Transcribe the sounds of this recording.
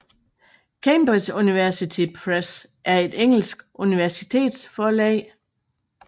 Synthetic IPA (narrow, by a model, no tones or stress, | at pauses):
kʰemb̥ʁi̥suniʋæɐsit͡sʰipʰʁes | ʔæɐe̝d̥eŋ̰l̩sɡ̥ʔuniʋæɐsit͡sʰe̝̰ːd̥sfɒːlɛ̰ːɪ